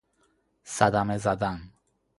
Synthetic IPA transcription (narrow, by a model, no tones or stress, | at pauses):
sad̪amezad̪an